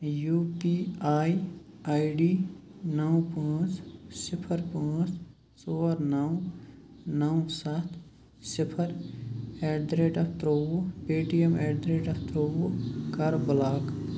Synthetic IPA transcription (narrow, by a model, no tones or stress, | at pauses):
juːpiːaːi | aːɖiː | nɐũpãːt͡ʃsɪpʰəɾpãːt͡ʃ | soːɾnɐw | nɐwsat̪ʰ | sɪpʰəɾ | eːɖ̪ɾeːɖɐpʰt̪ɾoːwpeːʈijəmeːd̪ɾeːɖɐpʰt̪ɾoːwokɐɾbʊlaːk